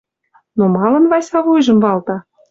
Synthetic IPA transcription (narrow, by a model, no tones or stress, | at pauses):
nomɑlɤ̆nβɑsʲɑβujʒə̆mvɑlt̪ɑ